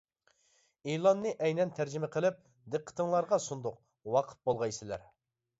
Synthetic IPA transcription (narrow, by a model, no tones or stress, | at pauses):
elˠɑnːɨʔɛjnɛnt̪ʰæɾd͡ʒɪmɪqʰəlˠɪp̚ | d̪ɨqʰːə̥t̪əŋlˠɑɾʁɑsund̪ʊq̚ | wɑqʰə̥t̪̚bolˠʁɑjsɪlæ̰ɾ